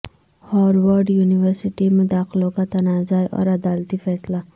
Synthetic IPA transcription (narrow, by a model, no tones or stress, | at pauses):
hɔːɾwəɾɖjuːniʋəɾsɪʈimʊd̪aːxlokat̪ɐnaːzaːjʔɔ̰ːɾɐd̪aːlt̪ifɛːsla